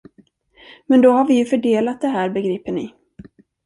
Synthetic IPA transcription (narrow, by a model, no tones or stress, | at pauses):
mɛnd̪ɔhaɾvɪjɵfœɖeːlat̪̚d̪ɛɦæːɾbɛɡɾiːpənɪ̰